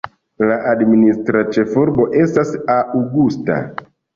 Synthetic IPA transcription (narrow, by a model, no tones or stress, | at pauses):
laʔadministɾat͡ʃe̞fuɾbo̞ʔe̞stasauɡusta̰